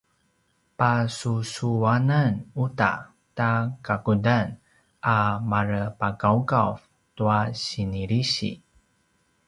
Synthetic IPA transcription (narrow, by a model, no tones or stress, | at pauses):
pasusuananuta̰ | takakudan | ʔamaɾəpakaukav | tuaɕiniɾiɕḭ